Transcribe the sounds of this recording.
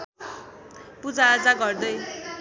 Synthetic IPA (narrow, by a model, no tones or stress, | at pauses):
pud͡zaːd͡zaɡʌrd̪ʌj